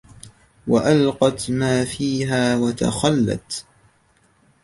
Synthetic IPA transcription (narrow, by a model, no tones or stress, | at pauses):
waʔalqɑt̪maːfiːɦaːwat̪a̰xalːa̰t̪